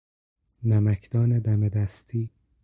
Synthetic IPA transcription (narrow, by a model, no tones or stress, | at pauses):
næmækʰd̪ɒːned̪æmed̪æst̪ʰiː